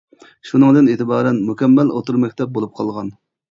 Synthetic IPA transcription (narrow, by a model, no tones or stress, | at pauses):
ʃunɨŋd̪ɨneːt̪ɨbɑːɾɛnmukʲɛmːɛlo̰t̪uɾmɛkʲt̪ʰɛp̚bolˠup̚qʰɑlˠʁɑn